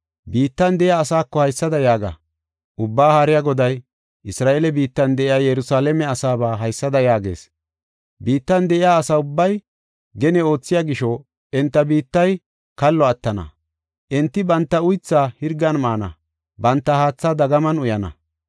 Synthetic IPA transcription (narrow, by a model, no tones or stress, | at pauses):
biːt̪ːɐnd̪ɛʔɪjaːsaːkːɔhɐjsːɐd̪ɐjaːɡɐ̰ | ʔʊbːaːhaːɾɪjaɡɔd̪ɐj | ʔɪsɾaːʔelɛbiːt̪ːɐnd̪ɛʔɪjaːjɛɾʊsaːlɛmɛɐsaːbaːɦɐjsːɐd̪ɐjaːɡe̞̰ːs | biːt̪ːɐnd̪ɛʔɪjaːsaʊbːɐj | ɡɛnɛo̞ːt͡sːɪjaɡɪʃɔ | ɛnt̪ːɐbiːt̪ːɐj | kɐlːɔɐt̪ːɐnɐ̰ | ʔɛnt̪ːɪbɐnt̪ːɐʊjt͡sːaːhɪɾɡːɐnmaːnɐ̰ | bɐnt̪ːɐhaːt͡sːad̪ɐɡɐmɐnʊjɐnɐ̰